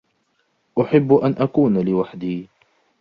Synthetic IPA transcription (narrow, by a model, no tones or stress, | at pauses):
ʔʊħɪbːʔanʔakuːnlɪwaħd̪iː